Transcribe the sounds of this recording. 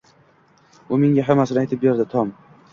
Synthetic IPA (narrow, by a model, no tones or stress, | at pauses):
ʊmɪŋʲaɦamːasɪnajt̪ʰɪpbeɾd̪ɪt̪ʰɒm